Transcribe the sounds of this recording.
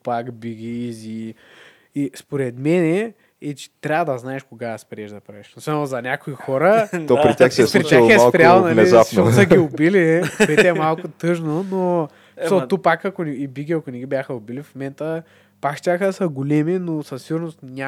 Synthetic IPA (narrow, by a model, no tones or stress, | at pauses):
pakbiɡʲizi | ispoɾɛt̪mɛnɛ | ɛt͡ʃɛ̥t̪ɾʲavɐd̪ɐznaɛʃkoɡaɐspɾiɛʒd̪ɐpɾavɛʃosamozɐnʲakoixɔɾəɔpɾit̪ʲjaxsɛspɾɾit̪ʲjaxɛsˠpɾʲalˠnɐnɛzapʃnɔsɐɡiʊbiliɛt̪ɛmalˠkʊt̪ɤʒnono | miɔt̪upakɐkʊnibiɡʲiɐkʊnɛɡʲibʲjaxəʊbilifmomɛnt̪ə | pakʃt̪ʲaxəsɐɡʊlɛminosɐsːiɡʊɾnʊst̪nʲa